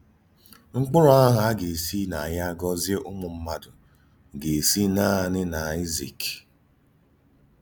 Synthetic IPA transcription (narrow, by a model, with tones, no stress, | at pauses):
ŋ͡m̩˦k͡pʊ˦ɾʊ˦a˦ɦa˨a˦ɡe˨si˦na˨a˨ja˦ɡɔ˦zje˦ʔʊ˦mʊ˨m̩˦ma˦dʊ˨ | ɡe˨si˦na˦˨nɪ˦na˨i˦zḭ˨k